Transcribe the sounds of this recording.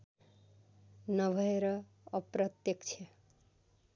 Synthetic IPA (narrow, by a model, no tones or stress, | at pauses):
nʌbʱʌeɾʌː | pɾʌt̪jekt͡ʃʰe